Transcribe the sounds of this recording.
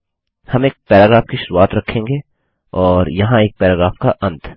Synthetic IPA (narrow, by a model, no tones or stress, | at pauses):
hɐmeːk̚pɛːɾaːɡɾaːfkiʃʊɾuaːt̪ɾɐkʰːẽːŋɡe | ɔːɾjɐɦãeːk̚pɛːɾaːɡɾaːfkaʔɐ̃nt̪